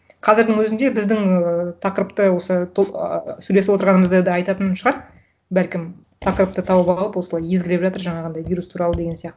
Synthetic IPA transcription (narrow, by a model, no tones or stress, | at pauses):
qʰɑzɪɾd̪ɪŋwɵzɪnd̪e̞bɪzd̪ɪŋt̪ʰɑqəɾəpt̪əwo̞sət̪ʰosʉle̞sɪwot̪əɾʁɑnəməzd̪əd̪ɑɑjt̪ɑt̪ənɑnʃəʁɑɾ | bælkʲɪm | t̪ʰɑqəɾəp̚t̪ət̪ʰɑwəpɑlˠəpwo̞səlˠɑje̞zɡʲɪlepʒɑt̪əɾʒɑɴɑʁɑnd̪ɑjvʲijɾust̪ʰuɾɑlˠəd̪e̞ɡʲensijɑq̚t̪ə